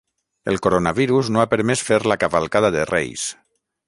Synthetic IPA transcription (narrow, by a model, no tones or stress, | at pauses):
elˠkoɾonaβiɾuznoapəɾmɛsfeɾlakaβalˠkaðaðerḛjs